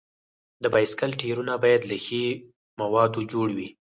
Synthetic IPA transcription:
d̪əbɑjskalʈʰeɾunabɑjad̪laxe | mawɑd̪od͡ʒoɽwi

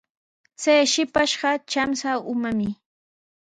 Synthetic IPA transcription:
t͡sajʃɪpaʃɢɑt͡ʃamsaʊmamɪ

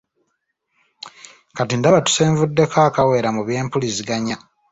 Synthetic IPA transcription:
katindaβatu̥seːɱvudːe̞kʰaːkawe̞ːɾamuβje̞ːmpulisiɡaɲa

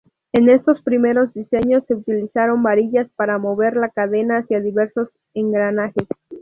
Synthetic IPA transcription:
e̞ne̞st̪o̞spɾime̞ɾo̞zd̪ise̞ɲo̞sːe̞ut̪ilisaɾo̞mbaɾiʝaspaɾamo̞βe̞ɾlakaðe̞naːsjaðiβe̞ɾso̞s | e̞ŋɡɾanaxes

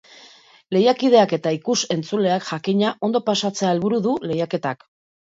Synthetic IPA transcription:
le̞jakið̞e̞ake̞t̪aikuse̞nt͡sule̞akʝakiɲaʔo̞nd̪o̞pasat͡se̞ae̞lβuɾuðule̞jake̞t̪ak

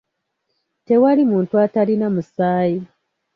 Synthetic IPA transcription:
te̞walimuːntuatalinamusaːji

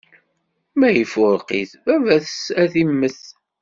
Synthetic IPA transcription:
mæjəfʊɾqiθvævæθəsæθimːəθ

